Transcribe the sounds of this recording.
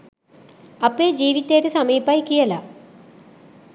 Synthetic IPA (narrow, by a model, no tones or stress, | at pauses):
ɐpːeːd͡ʑiːʋit̪ːeːɾɨsɐmiːbaːjkːijɐlɐ